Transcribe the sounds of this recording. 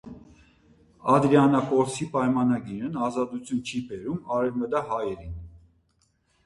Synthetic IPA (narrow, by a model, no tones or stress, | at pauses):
ɑd̪ɾiɑnɑkɔɾt͡sʰipɑjmɑnɑɡiɾənɑzɑt̪ut͡sʰjunt͡ʃʰibɛɾumɑɾɛvməd̪ɑɦɑjɛɾin